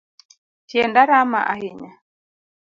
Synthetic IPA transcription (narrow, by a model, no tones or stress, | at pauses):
tiɛndaɾama̰ʔahiɲa